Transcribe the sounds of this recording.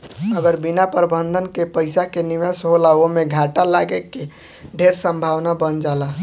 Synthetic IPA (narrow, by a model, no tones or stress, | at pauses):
əɡəɾbinapəɾəbənd̪ʱənkepəɪsakeniʋəsɦolaomeɡʱaʈalaɡeke | ɖʱeɾsə̃mbʱaʋnabənd͡ʒala